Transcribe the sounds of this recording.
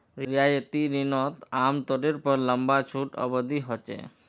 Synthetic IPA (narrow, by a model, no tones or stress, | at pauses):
ɾɾiajet̪iɾinɔt̪amt̪ɔʈeɾpɔɾləmbat͡ʃʰuʈɔ̰bod̪iɦɔt͡ʃḛ